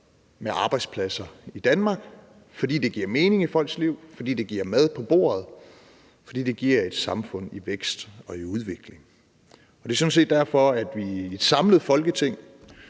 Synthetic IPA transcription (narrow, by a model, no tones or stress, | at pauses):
meʔɑ̈ːb̥ɑ̈ɪ̥spʰlæsɐid̥ænmɑ̈ːɡ̥ | fɒ̽d̥ḭːd̥e̝ɡ̥iɐme̝ːne̝ŋifɒ̽l̰ɡ̥sliʊ̰fɒ̽d̥ḭːd̥e̝ɡ̥iɐ̰mæð̞ˠpʰɒ̽b̥o̝̰ːɐð̞̩ˠ | fɒd̥ḭːd̥e̝ɡ̥iɐ̰e̝d̥sɑ̈mfɔ̽n̰iʋeɡ̥sd̥ɒ̽iuð̞ˠʋe̝ɡ̥le̝ŋ | ɒd̥e̝ɐsɔ̽n̩se̝̰ːd̥æɐ̰fɒ̽æd̥ʋi̥sɑ̈mləð̞̩ˠfɒ̽lɡ̥ət͡sʰe̝ŋ̰